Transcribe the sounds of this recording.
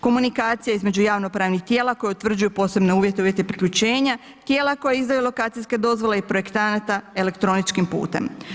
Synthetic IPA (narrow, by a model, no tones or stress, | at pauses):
ko̞munikaːt̪sijaizme̞d͡ʑujaːʋno̞pɾaːʋnixt̪je̞ːlako̞jeut̪ʋr̩d͡ʒujupo̞ːse̞bne̞uːʋjet̪e̞uːje̞t̪eipɾikʎut͡ɕe̞ːɲa | t̪jeːlako̞jeizd̪ajulo̞kaːt̪sijsked̪o̞zʋo̞leipɾo̞je̞kt̪anat̪ae̞le̞kt̪ɾo̞nit͡ʃkimpṵːt̪e̞̰m